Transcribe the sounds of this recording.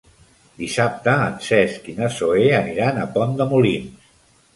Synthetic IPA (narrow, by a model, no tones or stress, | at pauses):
d̪isap̚t̪əːnsɛskinəsoeəniɾanəpɔnd̪əmulins